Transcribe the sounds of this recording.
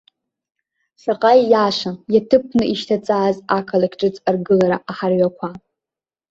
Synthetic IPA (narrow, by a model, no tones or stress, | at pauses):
saqʼajːaʂʷajatʰɨpʰnɨiʃtʰat͡sʼaːzakʰalakʰʲʼʈ͡ʂʼɨt͡sʼarɡɨlaɾaʔaħarɥakʷʰa